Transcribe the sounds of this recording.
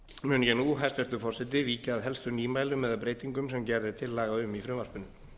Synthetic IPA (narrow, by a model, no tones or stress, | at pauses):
mʏːnjɛnuɦajst̪vɛɾ̥t̪ʏfɔr̥sɛt̪̬ɪviːcaːðɦɛlst̪ʏniːmaːjlʏmːɛðaðpɾeːjt̪iŋkʏms̬ɛmcɛɾðɪt̪ʰɪlːaːɣaʏmifɾʏvar̥pʏnːʏm